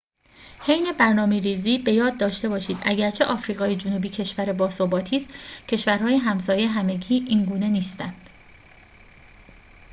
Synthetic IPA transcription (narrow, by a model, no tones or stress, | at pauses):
he̞jne̞bæɾnɒːmeɾiːziːbe̞jɒːd̪̚ːɒːʃt̪e̞bɒːʃiːd̪ʔæɟæɾt͡ʃʰe̞ʔɒːfɾiːɣɒːjed͡ʒonubiːcʰe̞ʃvæɾe̞bɒːsobɒːt̪ʰiːst̪cʰe̞ʃvæɾhɒːjeɦæmsɒːjeɦæme̞ɟiːʔiːnɡuːne̞niːst̪ænd̪̥